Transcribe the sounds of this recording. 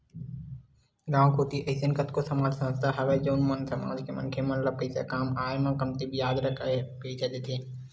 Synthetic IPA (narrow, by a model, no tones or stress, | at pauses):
ɡãːw̃kuːt̪iʔɐɪsənkət̪kosɐmaːd͡ʒsɐməst̪ʰaɦɐʋed͡ʒoːnmənsɐma̰ːd͡ʒkemɐ̰nkʰemɐnləpəɪsḛkaːmaːemãkɐmt̪ibijaːd̪ɾɐkʰpeːt͡ʃed̪et̪ʰeː